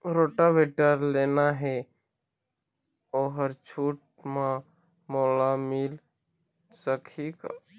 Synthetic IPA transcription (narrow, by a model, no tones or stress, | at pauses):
ɾoːʈaʋeʈəɾleːnaɦɛ | oːɦəɾt͡ʃʰuːʈ̚mã | moːlamɪl | səkʰika̰